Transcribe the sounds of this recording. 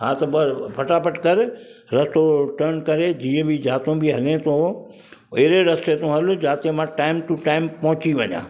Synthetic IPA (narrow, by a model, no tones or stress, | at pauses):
ɦãːt̪ɐbɐpʰɐʈaːpɐʈkɐɾɪ | ɾɐst̪oʈɐɾnkɐɾed͡ʑiːə̃bɪd͡ʑaːt̪õbiɦɐlẽt̪ʰo | ɐɦɪɾeɾɐst̪et̪ʰõɦɐlʊd͡ʑaːt̪emãʈaːɪmʈuʈaːɪmpɐɦʊt͡ɕiʋɐɲã̰ː